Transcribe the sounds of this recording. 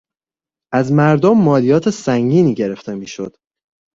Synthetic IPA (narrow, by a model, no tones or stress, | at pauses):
ʔæzmæɾd̪omːɒːlijɒːt̪ʰe̞sæŋɟiːniːɟe̞ɾe̞ft̪e̞miːʃo̰d̪̥